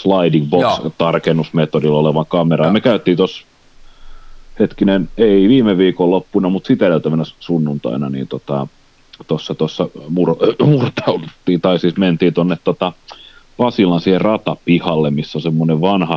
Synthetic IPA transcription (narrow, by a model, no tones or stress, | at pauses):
slɑidiŋbokt̪ɑrkenːusmet̪odiloleʋɑŋkɑmerɑjɑmekæyt̪ːˑiːt̪os | het̪kineneiʋiːmeʋiːkolopːunɑmut̪sit̪ælæyt̪æʋænæssunːunt̪ɑ̰ˑinɑnḭːnt̪ot̪ɑ | t̪osːɑt̪osːɑmurmurt̪ɑulut̪ːiːt̪ɑisiːsment̪iːt̪onːet̪t̪ot̪ɑ | pɑsilɑnsiːherrɑt̪ɑpihɑlːemmisːolsemːoneʋʋɑnhɑ